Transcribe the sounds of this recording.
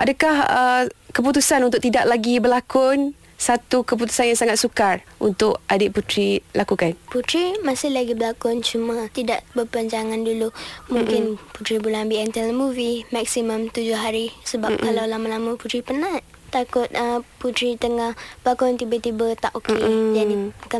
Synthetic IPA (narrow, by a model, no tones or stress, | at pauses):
ʔadəkahəkəp̬ut̪usanunt̪ʊk̚t̪idaʔlaɡibəlakʊn | sat̪ukəp̬ut̪u̥sanjaŋsaŋat̪sukar | unt̪ʊkʔadɪʔput̪ɾilʔakukanput̪ɾimasɪhlaɡibəlakʊnt͡ʃumãt̪idaʔbəpəɲd͡ʒaŋandulumuŋkɪnput̪ɾibulaŋbiɛnt̪ɛləmuvimak̚siməmt̪ud͡ʒʊhɦaɾisəbap̚kalawlamalamaput̪ɾipəna | t̪akʊt̪̚əput̪ɾit̪əŋahb̥əlakʊnnt̪ibət̪ibət̪aʔoked͡ʒadika